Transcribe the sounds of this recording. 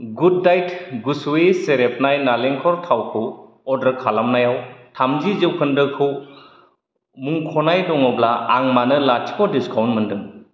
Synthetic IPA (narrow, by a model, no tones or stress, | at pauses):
ɡudːajtɡusueseɾep̚ʰnajnaleŋkʰɔɾtʰawkʰɯw | ɔdɯkʰalamnajawtʰamzizɯwkʰɯndɯkʰɯw | muŋkʰɔnajdɔŋɔblaaŋmanɯlat͡ʃi̥kʰɔdiskʰawnmɯndɯŋ